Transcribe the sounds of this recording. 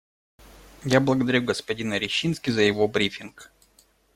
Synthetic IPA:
jablˠəɡəd̪ɐɾʲuɡəspɐdʲinəɾʲɪɕːinskʲɪzəjɪvo̞bɾʲifʲɪnk

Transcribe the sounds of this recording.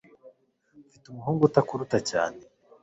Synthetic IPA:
fitumuɦuːŋɡutakuɾutaca̰ːne

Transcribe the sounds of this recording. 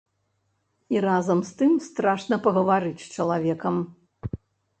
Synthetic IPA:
iɾazɐmst̪ɨmst̪ɾaʂnɐpɐɣɐvaɾɨt͡sʲt͡ʂɐlˠavʲɛkɐm

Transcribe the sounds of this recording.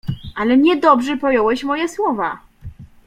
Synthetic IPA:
ʔalɛɲɛd̪ɔbʐɛpɔjɔwɛɕmɔjɛswɔva

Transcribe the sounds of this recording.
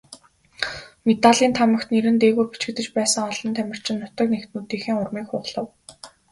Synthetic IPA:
met̪aɮiːnt̪ʰamə̆kt̪neɾɘ̆nt̪eːɣuːpi̥t͡ɕɪ̆kt̪ɘ̆t͡ɕpæːsə̆ŋɔɮɞ̆nt̪ʰæmʲɪ̆r̥t͡ɕʰɪ̆nːʊt̪ə̆k̚next̪nuːt̪eːxiːŋʊrmiːkχʊʁɮə̆w

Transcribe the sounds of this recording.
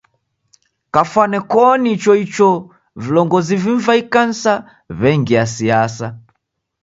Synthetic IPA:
kafwanɛkɔnit͡ʃɔit͡ʃɔ | vilɔŋɡɔziviɱvaikan̩sa | βɛŋɡiasiasa

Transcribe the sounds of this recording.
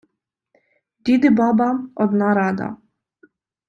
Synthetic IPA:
dʲid̪ɪbɑbɐɔd̪nɑɾɑd̪ɐ̰

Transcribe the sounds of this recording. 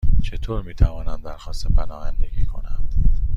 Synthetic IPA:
t͡ʃʰe̞t̪ʰoːɾmiːt̪ʰævɒːnænd̪æɾxɒːst̪epʰænɒːjænd̪e̞ɡiːkʰo̞nænd̪̥

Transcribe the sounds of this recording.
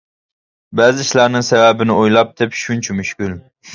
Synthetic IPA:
bɛːzɪʃlˠɑɾnɨŋsɛvɛbɪnɪojlˠɑp̚d̪ɛpʃunt͡ʃʰɛmyʃkʲyl

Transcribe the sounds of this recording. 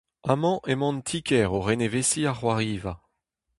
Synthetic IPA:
amɑ̃ʔemɑ̃nt̪ʰikɛʁoʁenevesiaχwaʁiːva

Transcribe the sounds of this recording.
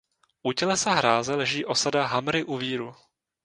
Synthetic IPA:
ʔucɛlɛsaɦɾaːzɛlɛʒiːʔo̞sadaɦamɾɪʔuviːɾu

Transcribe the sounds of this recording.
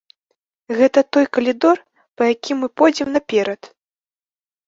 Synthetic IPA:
ɣɛt̪ɐt̪ɔjkɐlʲid̪ɔr | pɐjakʲʰimːɨpɔjd͡zʲɛmnɐpʲɛɾɐt̪

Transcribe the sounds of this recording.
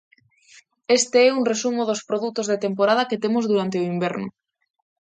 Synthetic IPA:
est̪eɛuŋresumʊðospɾoðut̪ozðet̪empoɾaðɐket̪emʊzðuɾant̪eoimbɛɾnʊ̰

